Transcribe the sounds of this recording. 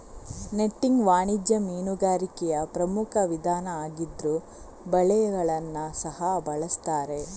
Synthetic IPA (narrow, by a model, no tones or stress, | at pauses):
neʈːiŋɡʋaːɳid͡ʒjɐmiːnuɡaːɾikɛjɐpɾɐmukʰɐʋid̪ʱaːnɐaːɡid̪ɾu | bɐɭɛɐɡɐɭɐnːɐsɐɦɐbɐɭɐst̪aːɾe̞